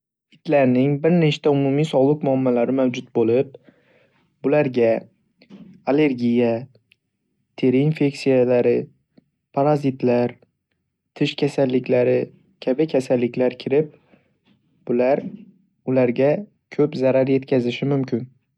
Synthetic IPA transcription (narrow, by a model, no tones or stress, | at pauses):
ɪt̪ʰlaɾnɪŋbɪɾnet͡ʃt̪ʰaʊmʊmijsɒlˠɨqmʊamːalaɾɪmawd͡ʒʊt̪̚bolɪp̚ | bʊlaɾɡʲa | ale̞ɾɡʲija | t̪ʰe̞ɾɪinfe̞ksijalaɾɪ | pʰaɾazɪt̪ʰlaɾ | t̪ʰɪʃkʲʰasalːɪkʲʰlaɾɪ | kʲʰabɪkʲʰasalːɪkʲʰlaɾkʲʰɪɾɪp̚ | b̥ʊlaɾ | ʊlaɾɡʲa | kʰɵpzaɾaɾje̞t̪kʲʰazɪʃɪmʊmkʰʲɪn